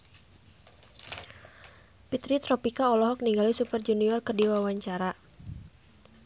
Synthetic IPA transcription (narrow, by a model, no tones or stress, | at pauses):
pit̪ɾit̪ɾɔpikaɔlɔɦɔk̚niŋɡalisupərd͡ʒuniɔrkɨrdiwawaɲt͡ʃaɾa